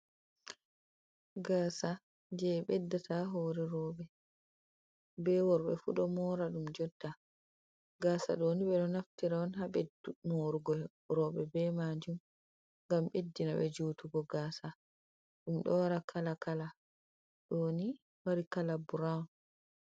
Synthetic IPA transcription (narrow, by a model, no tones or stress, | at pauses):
ɡaːsa | d͡ʒɛɓɛdːatʰaɦɔːɾɛɾɔːɓɛ | bɛwɔɾɓɛ̰fṵɗɔmɔːɾaɗumd͡ʒɔtːa | ɡaːsa̰ɗoːniɓɛɗɔnaftiɾaɔnɦaɓɛdumoɾuɡɔ | ɾɔɓɛbɛmad͡ʒum | ŋɡamɓedːinaɓɛd͡ʒuːtuɡɔɡaːsa | ɗumɗɔwaɾakʰalakala | ɗoni | waɾikalabuɾan